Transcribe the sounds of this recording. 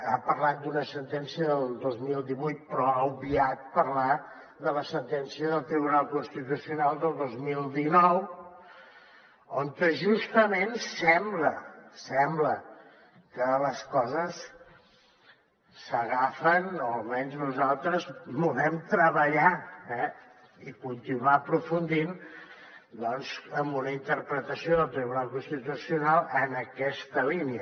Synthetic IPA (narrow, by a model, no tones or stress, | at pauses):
apəɾlat̪̚d̪unəsənt̪ɛnsiəðəlˠd̪ozmilˠd̪iβujt̪̚pɾɔaubiat̪̚pəɾla | ðələsənt̪ɛnsiəðəlˠt̪ɾiβunalˠkunst̪it̪usiunalˠd̪əlˠd̪ozmilˠd̪inɔw | oŋkəʒust̪əmensɛmbləsɛmblə | kələskɔzəs | əɣafənoəlˠmɛnznuzalˠt̪ɾəzbulɛmt̪ɾəβəʎaɛ | ikunt̪inwaəpɾufund̪in | d̪ɔnzəmbunəint̪əɾpɾət̪əsioðəlˠt̪ɾiβunalˠkunst̪it̪usiunalˠənəkɛst̪əliniə